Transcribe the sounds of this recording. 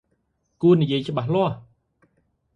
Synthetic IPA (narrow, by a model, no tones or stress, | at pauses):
kuənijiəjt͡ɕə̆ɓahlŏəh